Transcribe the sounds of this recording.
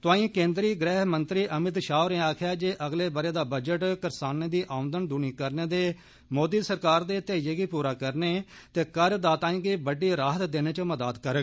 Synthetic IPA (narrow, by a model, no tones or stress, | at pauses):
t̪ʊãːĩːkẽːnd̪ɾiːɡɾɛːɦmənt̪ɾiːʔəmɪt̪ʃaːʊɾẽːaːkʰjaːd͡ʒeːʔəɡleːbəɾeːd̪aːbəd͡ʒəʈkəɾsaːneːd̪iːʔaːʊ̃nd̪ənd̪uniːkəɾneːd̪eː | moːd̪iːsəɾkaːɾd̪eːt̪eːjeːɡiːpuːɾaːkəɾneː | t̪eːkəɾəd̪aːt̪ãːĩːɡiːbəɖiːɾaːɦət̪d̪eːneːt͡ʃəməd̪aːd̪kəɾəɡ